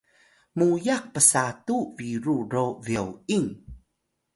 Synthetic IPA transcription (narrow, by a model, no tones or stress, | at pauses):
mujaq̚pəsatuviɾuɾoviəwiŋ